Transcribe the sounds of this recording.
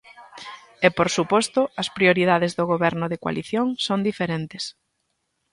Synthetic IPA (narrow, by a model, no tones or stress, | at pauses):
epoɾsupɔst̪ʊɐspɾioɾiðaðezðoɣ̞oβɛɾnʊðekwa̰liθjoŋsond̪ifeɾent̪es